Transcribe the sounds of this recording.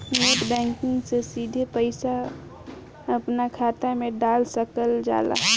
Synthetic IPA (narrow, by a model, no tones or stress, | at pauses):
moːʈbɛ̃ːŋkɪ̃ŋɡsesiːd̪ʱepəɪsa | əpnakʰaːt̪amẽɖaːlsəkəld͡ʒa̰ːla̰